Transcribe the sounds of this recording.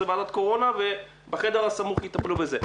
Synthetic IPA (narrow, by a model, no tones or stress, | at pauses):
ebalat̪ko̞ʁo̞nave | beχed̪eʁasamuχjit̪aplubeze